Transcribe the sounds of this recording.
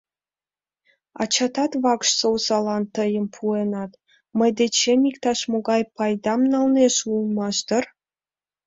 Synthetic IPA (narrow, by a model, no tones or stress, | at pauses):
ɑ̰t͡ɕɑt̪ɑt̪βɑkʃsowsɑlɑnt̪əjəmpʰuenɑt̪ | məjd̪et͡ɕemikt̪ɑʃmoɡɑjpɑjd̪ɑmnɑlneʃulˠmɑʃd̪ə̆r